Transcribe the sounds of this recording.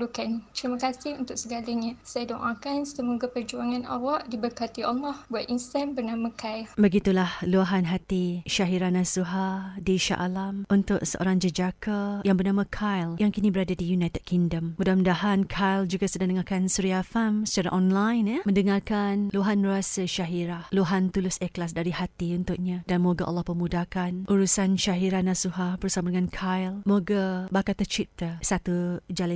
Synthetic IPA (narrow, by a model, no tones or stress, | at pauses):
lukant̪ɾimãkasɪhunt̪ʊʔ̚səɡalaɲãsajadɔŋʔãkansəmoɡapərd͡ʒuaŋãnʔa̰waʔdibərkat̪ialːɔhbuat̪̚inst̪anbərnamãkʰajlbəɡit̪ulahluaɦanɦat̪iʃaɦiɾanasuɦadiʃa̰ʔalamʔunt̪ʊʔsəʔo̰ɾaŋd͡ʒəd͡ʒakʰajaŋbərnãmãkʰajljaŋkinĩbəɾadadijunajt̪əd̚kiŋdəmmudahməndaɦankʰajld͡ʒuɡasədadəŋarkansuɾiafamsə̥t͡ʃaɾa̰ʔɔnlajnjəmə̃ndəŋarkanluɦanəɾuasaʃaɦiɾahluɦant̪ulʊsɛklas̬daɾihat̪iunt̪ʊʔ̚ɲadanmoɡaʔa̰lːɔhpəmudakanʔuɾusanʃaɦiɾahnasuɦahbərsamadəŋãnkʰajlmoɡabakat̪ət͡ʃip̚t̪əsat̪ud͡ʒal